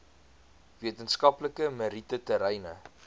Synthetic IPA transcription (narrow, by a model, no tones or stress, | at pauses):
viətənskɐpləkəməɾitətəɾɛjnə